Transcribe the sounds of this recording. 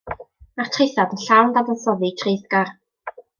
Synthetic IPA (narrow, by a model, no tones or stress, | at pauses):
aχtʰrejθadənɬawnd̪abɔnsɔðitʰreːθɡar